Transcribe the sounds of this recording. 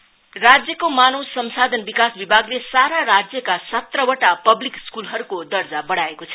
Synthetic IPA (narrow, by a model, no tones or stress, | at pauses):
rad͡zjʌkomanowsʌmsad̪ʱʌnbikasbibʱaɡlesaɾaɾad͡zjʌkasʌt̪rʌwʌʈapʌblikskulɦʌɾukod̪ʌrd͡zabʌɽaekot͡sʰʌ